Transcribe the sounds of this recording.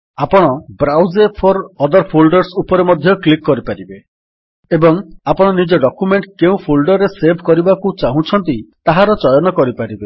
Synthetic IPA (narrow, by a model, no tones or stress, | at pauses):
apɔɽ̃ɔbɾawzepʰɔɾɔd̪ɔɾpʰulɖɔɾsupɔɾemɔd̪ʱjɔklikːɔɾipaɾibe | ebɔŋapɔɽ̃ɔnid͡ʒɔɖɔkumeɳʈkeũpʰulɖɔɾeseɾbʱkɔɾibakut͡ʃaɦũt͡ʃʰɔnt̪it̪aɦaɾɔt͡ʃɔjɔnɔkɔɾipaɾibe